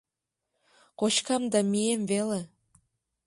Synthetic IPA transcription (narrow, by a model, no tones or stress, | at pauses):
kot͡ɕkɑmd̪ɑmijemvele